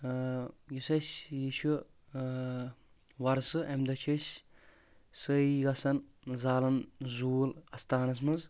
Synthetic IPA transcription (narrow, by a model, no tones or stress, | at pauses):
jusɐsʲjiʃu | wɐɾsɨʔɐmd̪ɐt͡ʃʰɐsʲ | səiɡɐsɐn | zaːlɐnzuːlɐst̪aːnɐs̬mɨz